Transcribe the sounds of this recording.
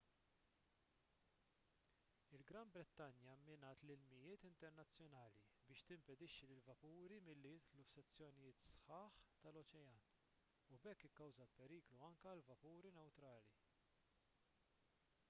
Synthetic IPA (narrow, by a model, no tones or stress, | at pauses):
ɪlɡɾɐmbɾɛt̪ːɐnjɐmːɪnɐːt̪lɪlmɪjɪːt̪ɪnt̪ɛɾnɐt͡sːjɔnɐːlibɪːʃt̪ɪmpɛd̪ɪʃːilɪlvɐpuːɾimɪlːɪjɪt̪lufsɛt͡sːjɔnɪjɪːt̪sħɐːħt̪ɐlɔt͡ʃɛjɐːn | ubɛkːɪkːɐwzɐlpɛɾiːkluɐŋkɐlvɐpuːɾinɛwt̪ɾɐːli